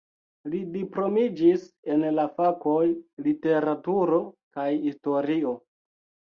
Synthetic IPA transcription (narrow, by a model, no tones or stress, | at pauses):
lidipɾo̞mid͡ʒise̞nlafako̞jlite̞ɾatuɾo̞kajisto̞ɾio̞